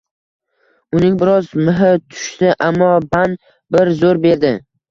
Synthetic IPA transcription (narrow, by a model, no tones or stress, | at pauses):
ʊnɪŋbɪɾɒzmɪɦɪt̪ʰʊ̥ʃt̪ɪʔamːɒban | bɪɾzoɾbe̞ɾd̪ɪ